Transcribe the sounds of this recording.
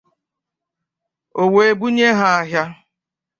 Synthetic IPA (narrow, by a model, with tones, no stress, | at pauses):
o˨we˨e˦˨bu˦ɲe˦ɦa˨a˨ɦja˦